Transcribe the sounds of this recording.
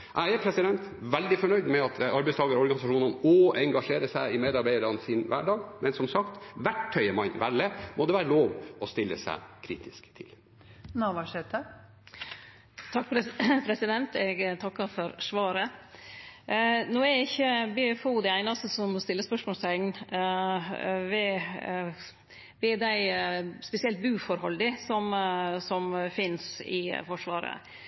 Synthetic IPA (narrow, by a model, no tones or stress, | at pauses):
ʔæɪæɾpʰɾɛsɪd̪ɛnt̪ʋɛld̪ɪfɔɳœʏd̪mɛɑt̪ɑɾbæɪst̪ɑːɡəɾɔɾɡɑnɪsɑʂuːnənɔɛŋɡɑʂeːɾəsæɪɪmeːd̪ɑɾbæɪəɾɑnsinʋæ̰ɖɑːɡmʔɛnsɔmsɑkt̪ʋæʈʰːœʏəmɑnʋælːəmʔɔd̪ɛʋæːɾəloːʋɔst̪ɪlːəsæ̰ɪkʰɾḭːt̪ʰɪskt̪ʰɪ̰l | nɑʋɑʂɛt̪ə | t̪ʰɑk̚ppʰɾɛsɪd̪ɛnt̪ɛɡt̪ʰɑkːɑfɔɾʂʋɑːɾə | noːæɾɪçːəbefud̪ɛæɪnɑst̪əsɔmst̪ɪlːəspœʂmɔːst̪ɛŋn | ʋɛ | ʋɛd̪æɪspɛsɪɛlt̪̚bʉːfɔɾhɔld̪ɪsɔmsɔmfɪnsɪ̰fɔʂʋɑ̰ːɾə̰